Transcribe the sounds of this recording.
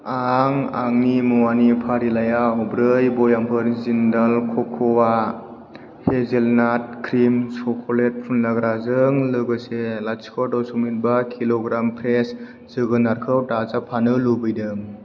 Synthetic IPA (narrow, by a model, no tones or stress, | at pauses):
aŋa̰ŋnimuwanipʰaɾilajaɔbɾɯjbɔjampʰɯɾzindalkʰɔkʰɔwa | hezelnat̚kʰɾimsɔkʰolet̚pʰunlaɡɾazɯŋlɯɡɯselaskʰɔtawsumit̚bakʰiloɡɾampʰɾes | z̥ɯɡɯnaɾkʰɯwtazapʰanɯlubɯjdɯŋ